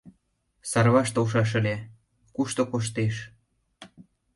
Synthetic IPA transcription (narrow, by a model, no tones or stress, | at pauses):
sɑrβɑʃt̪owʃ̬ɑʃ̬ə̆lʲe | kuʃt̪okoʃ̬t̪eʃ